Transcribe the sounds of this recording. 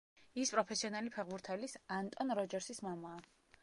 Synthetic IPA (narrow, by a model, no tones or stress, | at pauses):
ispʼɾɔpʰɛsiɔnalipʰɛʁbuɾt̪ʰɛlisant̪ʼɔnɾɔd͡ʒɛɾsismamaː